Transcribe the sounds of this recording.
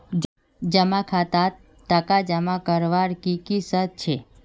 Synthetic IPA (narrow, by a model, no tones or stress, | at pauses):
d͡ʒəmãkʰat̪a | t̪ːəkad͡ʒəmãkəɾʋaɾkikisət̪̚t͡ʃʰe